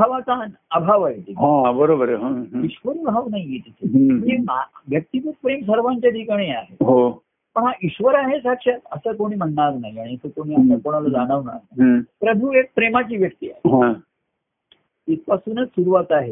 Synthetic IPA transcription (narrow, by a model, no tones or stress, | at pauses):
aʋat͡sanabʱaʋaɦet̪ikɦãbəɾobəɾɦãɦiɕʋəɾibʱaʋnaɦiɡet̪itʰeeaʋjək̚t̪ikuːt̪̚pɾems̬əɾʋaɲt͡ɕjad̪ʱikɳ̃eaɦeɦo | məɳɦaʔiɕʋəɾaɦesakʂat̪əsəːkoɽ̃iːm̤əɳːaɾnaɦjiaɽit̪əkoɽ̃iːat̪ãkoɽ̃aləd͡zaɽ̃əʋna̰ɾnapɾəbʱuek̚pɾemat͡ɕiːʋjək̚t̪iːa̰ɦeɦã | t̪it͡spasuːnət͡ssuɾuʋat̪aɦe